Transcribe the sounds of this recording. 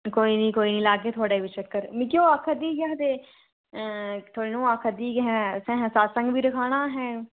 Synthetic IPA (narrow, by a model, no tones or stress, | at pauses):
koːiːnĩːkoːiːnĩːlaːɡeːt̪ʰʊaːɽeːʋɪt͡ʃəkːəɾmĩːkjoːaːkʰəd̪iːɡaːt̪eː | t̪ʰoːɽiːnũːaːkʰəd̪iːɡɦɛ̃ːsɛ̃ːɦɛ̃ːsaːsə̃ŋɡʋiːɾəkʰaːɽ̃aːɦɛː